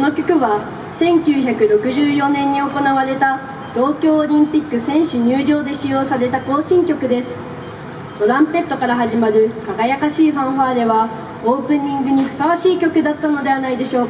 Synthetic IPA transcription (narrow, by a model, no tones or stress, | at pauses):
kono̞kʲo̞̥kɯ̟βa | sẽ̞ŋkʲɨːçakɯ̟ɾo̞kɯ̟ʑɨːjo̞nẽ̞ɲ̟ːio̞ko̞naβaɾe̞t̪a | t̪o̞ːkʲo̞ːɾʲĩmpʲikːɯ̟sẽ̞ɰ̃ɕɨɲ̟ɨːʑo̞ːd̪e̞ɕijo̞ːsaɾe̞t̪at̪o̞ːɕĩŋkʲo̞kɯ̟d̪e̞sɨ̥ | t̪o̞ɾãmpe̞t̪ːokaɾaɦaʑimaɾɯ̟kaɡajakaɕiːɸãɰ̃ɸaːd̪e̞βa | o̞ːpɯ̟̃ɲ̟ːĩŋɡɯ̟ɲ̟iɸɯ̟̥saβaɕiːkʲo̞kɯ̟d̪at̪ːano̞d̪e̞β̞anaid̪e̞ɕo̞ː